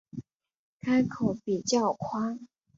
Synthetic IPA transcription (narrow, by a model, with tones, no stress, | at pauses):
kʰa˥ɪkʰo˨˦ʊpi˨˩t͡ɕjɑ˥˩ʊkʰwa˥ŋ